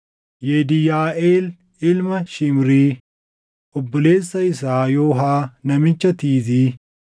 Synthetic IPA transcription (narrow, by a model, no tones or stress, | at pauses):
jeːd̪ɪjaːʔeːl | ɪlmɐʃɪmɾiː | ʔɔbːɔle̞ːsːɐɪs̬aːjoːɦaːnɐmɪt͡ʃːɐt̪iːziː